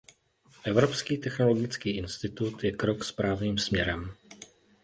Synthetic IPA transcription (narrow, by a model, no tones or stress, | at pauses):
ʔɛvɾo̞pskiːt̪ɛxnolo̞ɡɪt͡skiːʔɪnst̪ɪt̪ut̪jɛkɾo̞kspɾaːvniːmsmɲɛɾɛm